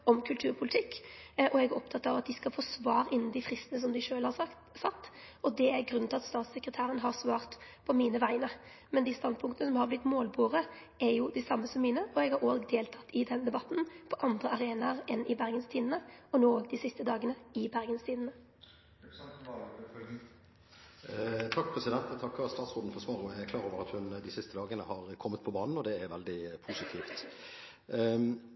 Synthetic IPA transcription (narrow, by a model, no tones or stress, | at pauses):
ɔmkʰʉlt̪ʰʉːʁpʰʊlɪt̪ʰɪkːɔɛɡæɾɔpt̪ʰɑt̪ːɑʋɑt̪̚d̪ɪskɑlfoːsʋɑːʁɪnːn̩d̪ɪfʁɪst̪nəs̬ɔmd̪ʉʂøːlhɑ | sɑt̪ːɔd̪ɛæɾɡɾʉnʰɪlɑt̪st̪ɑːt̪səkʁət̪ʰæːɾənɦɑʁsʋɑːʁt̪pʰɔmiːnəʋæɪnə | mɛnd̪ɪːst̪ɑnd̪̚pʰʊŋkt̪ənəs̬ɔmhɑʁblɪt̪ːmoːlbuːʁə | æɾjʊd̪ɛsɑmːəsɔmːiːnəʔɔɛɡhɑɾoːɡd̪eːlt̪ʰɑt̪ːɪd̪ɛnd̪ɛbɑt̪ːn̩pʰɔʔɑnd̪ʁəɑʁeːnɑʁɛnʔɪbæʁɡənst̪ʰiːd̪n̩əɔnoːoːɡd̪ɪsɪst̪əd̪ɑːɡənəɪbæʁɡənst̪ʰiːd̪n̩ə | t̪ʰɑkːpʰɾɛsɪd̪ɛnt̪t̪ʰɑkːɑst̪ɑːt̪sʁʊnd̪n̩fɔsʋɑːɾəɛkʰlɑːɾoːʋəɾɑt̪hʉnd̪ɪsɪst̪əd̪ɑːɡənəhɑʁkʰɔmːət̪pʰɔbɑːnn̩ɔd̪ɛæɾʋɛld̪ɪpʰuːsɪt̪ʰiːft̪